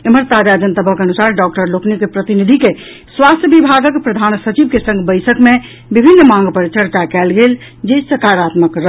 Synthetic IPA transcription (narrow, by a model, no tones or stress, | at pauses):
eməɾt̪ad͡ʒad͡ʒənt̪əbʱəkənusaɾɖɔk̚ʈəɾloknikepɾət̪inid̪ʱike | swast̪ʰjəbibʱaɡəkpɾəd̪ʱansət͡ʃibkesə̃ŋɡbəɪsəkme | bibʱinːmãŋɡpəɾt͡ʃəɾt͡ʃakɛlɡel | d͡ʒesəkaɾat̪məkɾə